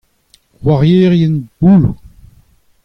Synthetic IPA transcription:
waʁjeːʁjɛnbuːlu

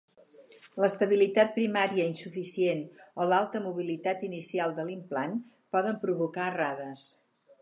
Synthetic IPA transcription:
ləst̪əβ̞ilit̪at̪̚pɾimaɾiəinsufisienolalˠt̪əmuβ̞ilit̪at̪inisialˠd̪əlimplan | pɔðəmpɾuβukaraðəs

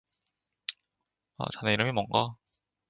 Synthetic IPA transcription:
a̰t͡ɕaneiɾɯmimwʌŋɡa

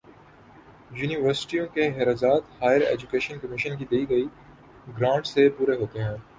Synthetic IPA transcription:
juːniʋəɾsɪ̥ʈijõkeɦɪɾaːzaːt̪haːjəɾḛːd͡ʒʊkeːʃənkɐmɪʃənkid̪eːiɡɐi | ɡɾãːɳɖsepuːɾeɦoːt̪eɦɛ̃ː

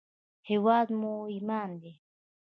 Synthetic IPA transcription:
hewad̪moimaːnd̪e

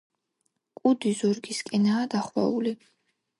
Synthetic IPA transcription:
kʼud̪izɔɾɡiskʼɛnaːd̪aχwa̰uli

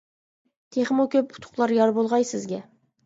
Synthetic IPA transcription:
t̪ʰeχmokʲʰøp̚ʊ̥t̪ʰʊ̥qlˠɑɾjɑɾbolˠʁɑjsɪzɡʲɛ

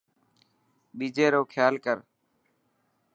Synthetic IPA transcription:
ɓiːd͡ʒeːɾoːkʰjaːlkəɾ

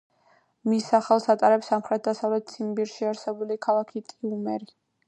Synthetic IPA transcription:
misaχɛlˠsat̪ʼaɾɛpsamχɾɛt̪̚d̪asavlɛt̪̚t̪sʰimbiɾʃiaɾsɛbulikʰalˠakʰit̪ʼiumɛɾi

